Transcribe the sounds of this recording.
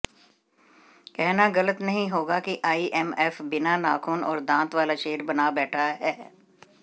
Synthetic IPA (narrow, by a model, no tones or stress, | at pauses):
kɛɦnaɣɐlət̪nɐɦĩɦoːɡakiʔaːiʔɛmɛːfbɪnana̰ːkʰuːnɔːɾd̪ãːt̪ʋaːlaʃeːəɾbɐnabɛːʈʰaɦɛː